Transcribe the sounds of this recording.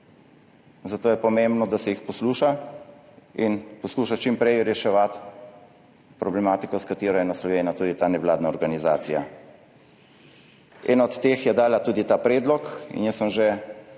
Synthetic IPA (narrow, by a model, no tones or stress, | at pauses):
zat̪oːjɛpɔmembnɔd̪asɛjixpɔsluːʃa | inpɔskuʃat͡ʃimpɾɛjɾɛʃɛʋat̪ | pɾɔblɛmaːt̪ikɔskat̪iːɾɔjɛnaslɔʋeːnat̪uːd̪it̪aːnɛʋlaːd̪naɔɾɡaniza̰ːt̪sija | ɛ̰ːnaɔt̪ːeːxjɛd̪aːlat̪uːd̪it̪aːpɾɛːd̪lɔkḭnjəsːəmʒe